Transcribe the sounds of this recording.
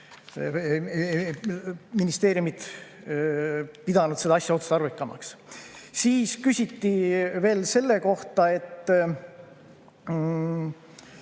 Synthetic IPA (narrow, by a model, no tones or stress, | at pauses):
minist̪e̞ːɾjumit̪ | pid̪̥ɑnud̪̥sed̪ɑɑsʲjɑo̞t̪su̥st̪ɑɾvikːˑɑmɑ̰kssiːskysʲit̪ːive̞ːlse̞lːe̞ko̞ht̪ɑe̞t̪ː